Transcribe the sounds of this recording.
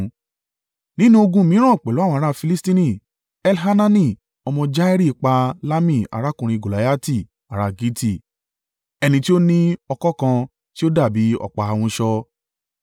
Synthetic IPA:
nĩ˦nũ˦o˧ɡũ˧mĩ˨˦ɾ̃ã˦˨k͡pɛ˨lo˨˦˨w̃ã˧˦˧ɾa˦˧fi˧li˦stĩ˦nĩ˦˨ | ɛ˧lɦa˦nã˦nĩ˦˨ | ɔ˧mɔ̃˧d͡ʒa˦ɛ˦ɾi˦˨k͡pa˧la˦mĩ˦˨a̰˨ɾa˦kũ˨ɾ̃ĩ˧ɡo˨la˨˦ja˦ti˦˨ | a˨ɾa˧˨ɡi˦ti˦˨ | ɛ˧nĩ˧ti˦o˦nĩ˦ɔ˧kɔ˦kã˧ | ti˦o˦da˦˨bi˨˦ɔ̰˦˨k͡pa˨˧wũ˧ʃɔ˧

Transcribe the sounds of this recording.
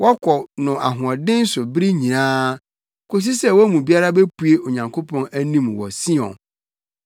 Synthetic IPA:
wʔɔ˦kʰɔ˨nʊ̃˨ʔa˨ɦʊ̃˨ɔ˨dɪ̃˦n̩˦sʊ˨bɾi˦ɲĩ˨nãː˦ | kʰo˦s̬i˦sɛ˦wɔ˦mũ˨bi˦a˦ɾa˦be˦pʰu˨e˦ʔo˨ɲã˨ŋkʰo˦pʰɔ̃˦næ˦nĩ˦mwɔ̰˨sĩ˦ɔ̰̃˨

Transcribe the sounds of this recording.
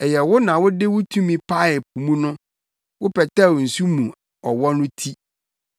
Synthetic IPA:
ɛ˨jɛ˨wʊ˦nã˨wʊ˦dɪ˦wʊ˦tʰũ˦mĩ˨pʰa˦ɛ˨pʰu˨mũ˦nʊ̃˦ | wʊ˦pʰɛ˨tɛ˦˨wn̩˨su˦mũ˨ | ɔ˨wɔ˦nʊ̃˦tʰi˦

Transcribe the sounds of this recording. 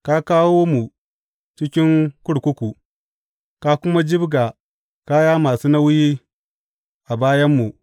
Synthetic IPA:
ka˦kaː˦woː˦mu˨ | t͡ʃɪ˦kʲɪ˦ŋkʊ˦ɽkʷʊ˦kʷu˨ | ka˦kʷʊ˦ma˦d͡ʒɪ˦bɡa˨ | ka˦jaː˦maː˨suː˦na˦wʊ˦ji˦ | ʔa˨baː˦jɐ˦mːu˨

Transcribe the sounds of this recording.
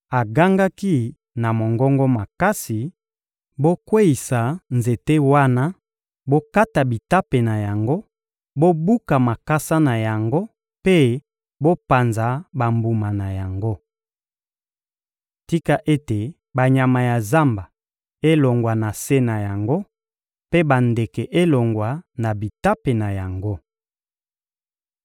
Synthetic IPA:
a˨ɡa˦ŋɡa˦ki˦ | na˨mo˨ŋɡɔ˦ŋɡɔ˦ma˨ka˦si˨ | bo˦kwe˦i˨sa˨nze˨te˦wa˦na˦ | bo˦ka˦ta˨bi˨ta˦pe˨na˨ja˨ŋɡo˦ | bo˦bu˦ka˨ma˨ka˦sa˦na˨ja˨ŋɡo˦ | pe˦ | bo˦pa˨nza˨ba˨mbu˨ma˨na˨ja˨ŋɡo˦ | ti˦ka˨ʔe˦te˨ | ba˨ɲa˨ma˨ja˨za˦mba˨ | e˦lo˨ŋɡwa˨na˨se˦na˨ja˨ŋɡo˦ | pe˦ba˨nde˨ke˨ʔe˦lo˨ŋɡwa˨na˨bi˨ta˦pe˨na˨ja˨ŋɡo˦

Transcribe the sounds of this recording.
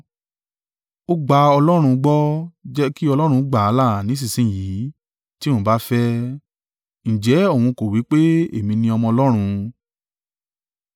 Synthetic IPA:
o˦ɡ͡ba˧ɔ˧lɔ˦ɾ̃ũ˧ɡ͡bɔ˦d͡ʒɛ˦ki˦ɔ˧lɔ˦ɾ̃ũ˧˦ɡ͡ba˨a˨˦la˦˨nĩ˨˦s̬i˦˨sĩ˦˨ji˨˦ | ti˦õ˦ba˦fɛ˦ | ñ̩˨d͡ʒɛ˨˦õ˦˨ũ˧ko˨wi˨˦k͡pe˦e˦˨mĩ˧nĩ˧ɔ˧mɔ̃˧ɔ˧lɔ˦ɾ̃ũ˧

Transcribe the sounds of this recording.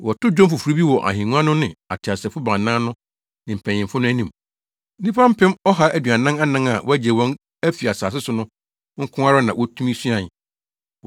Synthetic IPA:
wɔ˨tʊ˦d͡ʑᶣɔ̃˦mfʊ˨fu˨ɾi˦bi˦wɔ˨ʔa̰˨ɦĩ˨nũ˦ã˦nʊ̃˦nɪ̰̃˨a̰˨tʰɪ˨a˨sɛ˨fʊ˦bã˨nã˦nʊ̃˦ | nɪ̃˨m̩˨pʰæ̃˨ɲɪ̃˨mfʊ˦nʊ̃˦æ˦nĩ˨m˦ | nĩ˦pʰa˦m̩˦pʰɛ̃˦mɔ˦ɦa˦ʔæ˨dɥa˨nã˦ŋa˦nã˦ŋa˨wʔɔ˦æ˦d͡ʑɛ˨wɔ̃˦n | æ˦fi˨a˨saː˨s̬ɪ˦sʊ˨nʊ̃˦ | ŋ̩˦kʰʊ̃˦a˦ɾa˦nã˨wʔɔ˦tʰũ˦mi˦su˦ã˨

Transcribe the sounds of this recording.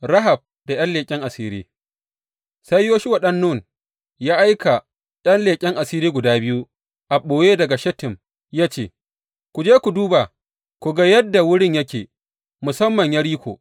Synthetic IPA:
ɾɐ˦ɦa˨b̚ | d̥a˨j̰ɐ˦nleː˨kʲʼɪ˦ŋʔa˨siː˦ɾḭː˦ | sa˦jːoː˦ʃi˦wɐ˨ɗɐ˦nːu˦˨n | jaː˦ʔa˦jka˨ | ɗɐ˦nleː˨kʲʼɪ˦ŋʔa˨siː˦ɾiː˦ɡʷʊ˨daː˦bɪ˦ju˦ | ʔa˨ɓoː˨jeː˦dɐ˨ɡa˨ʃɛ˦tɪ˨m | jaː˦t͡ʃeː˦˨ | kʷu˨d͡ʒeː˦kʷu˨duː˦ba˨ | kʷu˨ɡa˦jɐ˦dːa˨wʊ˦ɽɪ˦ɲjɐ˦kʲeː˨ | mʊ˨sɐ˦mːɐ˨ɲja˦ɽiː˦kʷo̰˨

